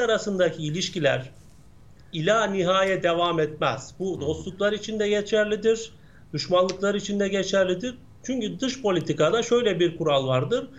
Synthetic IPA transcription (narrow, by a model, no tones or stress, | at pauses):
aɾasɯnd̪acʰiːlʲiʃcilʲæ̰ɾ̥ | ilʲaːniɦaːjɛd̪evaːmɛt̪mɛ̰z̥bud̪o̞slˠuklˠaɾit͡ʃʰind̪ɛɟe̞t͡ʃʰæɾlʲid̪iɾ | d̪̥uʃmanlˠɯklˠaɾit͡ʃʰind̪ɛɟet͡ʃʰæɾlʲid̪iɾ | t͡ʃʰyɲcyd̪ɯʃpo̞lʲit̪ʰikad̪aʃø̞jlʲɛbiɾkʰuɾalˠvaɾd̪ɯɾ̥